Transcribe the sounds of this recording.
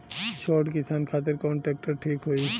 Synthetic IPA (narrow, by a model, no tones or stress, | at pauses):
t͡ʃʰɔʈkit̪ʰankʰat̪̬eɾkɔɳʈɛk̚ʈaʈʰikɦoej